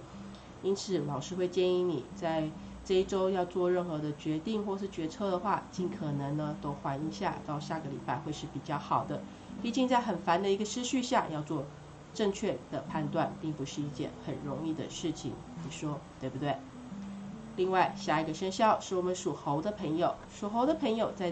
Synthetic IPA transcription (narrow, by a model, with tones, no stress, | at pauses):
i˥nt͡sʰɹ̩˨˩˦lɑ˨˩ʊʂɻ̩˥˧xwe˥˧ɪt͡ɕjɛ˥˩ni˧˥nḭ˨˩t͡sa˥˧ɪ | ʈ͡ʂɤ˥˧i˥˩ʈ͡ʂo˥ʊjɑ˥˧ʊt͡swɔ˥˧ɻə˥˩nxɤ˧˥d̪ə˧t͡ɕɥɛ˧˥t̪i˥˧ŋxwɔ˥˧ʂɻ̩˥˩t͡ɕɥɛ˧˥t͡sʰɤ˥˧d̪ə˨xwa˥˩t͡ɕi˥˩nkʰɤ˨˩nɤ˧˥ŋnə˧t̪o˥ʊxwa˧˥ni˥˧ŋɕja̰˥˩t̪ɑ˥˧ʊɕja˥˩ɡə˩lḭ˨˩pa˥˧ɪxwe˥˧ɪʂɻ̩˥˩pi˨˩t͡ɕjɑ˥˩ʊxɑ˨˩ʊd̪ə˦ | pi˥˧t͡ɕi˥˧ŋt͡sa˥˩ɪxə˨˩nfa˧˥nd̪ə˧i˧˥ɡə˧ʂɻ̩˥ɕy˥˧ɕja˥˧jɑ˥˧ʊt͡swɔ˥˧ | ʈ͡ʂɤ˥˧ŋt͡ɕʰɥɛ˥˩d̪̥ə˩pʰa˥˧nt̪wa˥˩npi˥˩ŋpu˧˥ʂɻ̩˥˧i˥˧t͡ɕjɛ̰˥˩nxə˨˩nɻʊ˧˥ŋi˥˩d̪ə̰˩ʂɻ̩˥˩t͡ɕʰḭ˨˩ŋ | ni˨˩ʂwɔ˥t̪we˥˩bu˨˩t̪we˥˩ɪ | li˥˧ŋwa˥˩ɪɕja˥˩i˧˥ɡə˧ʂə˥nɕjɑ˥˧ʊʂɻ̩˥˩wɔ˨˩mə˦nʂu˨˩xo˧˥ʊd̪ə˧pʰɤ˧˥ŋjo˨˩ʊʂu˨˩xo˧˥ʊd̪ə˧pʰɤ˧˥ŋjo˨˩ʊt͡sa˥˧ɪ